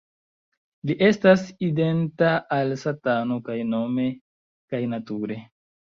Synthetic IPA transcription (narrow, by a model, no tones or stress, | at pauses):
liʔe̞staside̞ntaʔːlsatano̞kajno̞me̞ | kajnatuɾe̞